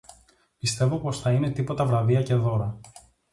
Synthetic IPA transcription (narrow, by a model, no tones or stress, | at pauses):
pist̪e̞vo̞po̞sθɐine̞t̪ipo̞t̪ɐvɾɐviɐce̞ðo̞ɾɐ